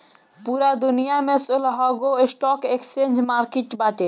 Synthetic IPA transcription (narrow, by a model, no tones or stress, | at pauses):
puːɾad̪ʊnijamẽsʊlɦɔɡoɪsʈɔːkeksend͡ʒmaːɾkiʈbaːʈe